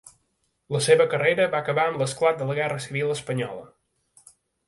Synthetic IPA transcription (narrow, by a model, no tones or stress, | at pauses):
ləseβəkərejɾəβakəβaəmləsklat̪̚d̪ələɣɛrəsiβilˠəspəɲɔlə̰